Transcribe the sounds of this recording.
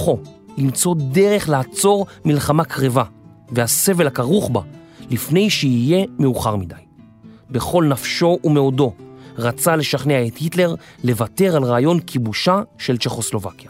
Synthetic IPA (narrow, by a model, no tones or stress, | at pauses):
χo̞ | limt͡so̞de̞ʁe̞χlaat͡so̞ʁmilχamakʁeva | vehase̞ve̞lakaʁuχba | lifne̞jʃeije̞meuχaʁmidaj | be̞χo̞lnafʃo̞ʔumeodo̞ʁat͡sale̞ʃaχneaethitle̞ʁ | le̞vate̞ʁalʁaːjo̞nkʰibuʃaʃe̞lt͡ʃe̞χo̞slo̞vakja